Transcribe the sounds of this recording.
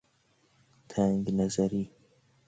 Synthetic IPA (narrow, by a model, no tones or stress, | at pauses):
t̪ʰaŋɡnɐzɐɾiː